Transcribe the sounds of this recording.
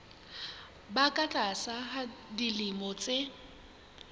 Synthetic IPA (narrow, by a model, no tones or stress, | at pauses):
bakʼat͡ɬʼasaɦadilɪmɔt͡sʼe